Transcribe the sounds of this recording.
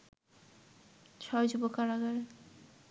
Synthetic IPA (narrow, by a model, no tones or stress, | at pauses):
t͡ɕʰɔjd͡ʑubokaɾaɡaɾe